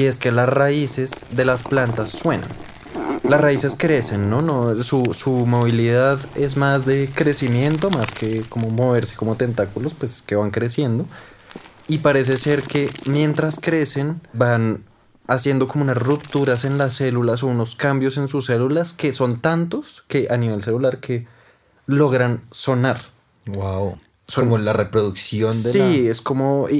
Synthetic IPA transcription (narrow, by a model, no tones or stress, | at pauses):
ie̞skelasraise̞zd̪e̞lasplant̪asːwe̞na̰n | lasraise̞skɾe̞se̞nːo̞nosusumo̞β̞iliðaðe̞zmazðe̞kɾe̞simje̞nt̪o̞maske̞ko̞mo̞mo̞βe̞ɾse̞̥ko̞mo̞t̪e̞nt̪akulo̞spweske̞βaŋkɾe̞sje̞nd̪o | ipaɾe̞s̬e̞se̞ɾke̞mje̞nt̪ɾaskɾe̞se̞nban | asje̞nd̪o̞ko̞mounasrupt̪uɾase̞nlase̞lulas̬o̞uno̞skambjo̞se̞nsuse̞lulaske̞so̞nt̪ant̪o̞ske̞ʔaniβ̞e̞ls̬e̞lulaɾkʰe̞ | lo̞ɣɾanso̞naɾ | wwaw | soolarepɾoðuksjo̞nd̪eiesko̞mo̞i